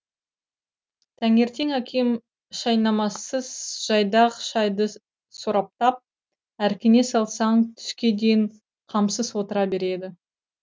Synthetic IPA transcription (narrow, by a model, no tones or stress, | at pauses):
t̪ʰæŋe̞ɾt̪e̞ŋækʲʰem | ʃɑjnɑmɑsəz̥ʒ̥ɑjd̪ɑʁʃɑjd̪ə | soɾɑp̚t̪ɑp̚ | æɾkʲɪne̞sɑlˠsɑɴt̪ʰʏ̥ʃkʲe̞d̪e̞jɪɴ | qʰɑmsəzwo̞t̪əɾɑbe̞ɾe̞d̪ɪ